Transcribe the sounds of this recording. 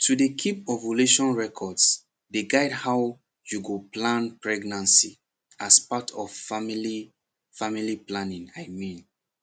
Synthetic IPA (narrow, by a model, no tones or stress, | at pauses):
tʰudekʰipɔvoleʃɔ̃nɹɛkʰɔds | deɡaɪdhaʊ | juɡoplãnpɹɛɡnãnsḭ | ʔaspatʰɔvmli | familiplãnĩŋaɪmĩn